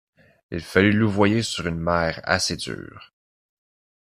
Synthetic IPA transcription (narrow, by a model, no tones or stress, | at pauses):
ḭlfalyluvwajesyʁynmɛːʁa̰sed̪zy̰ːʁ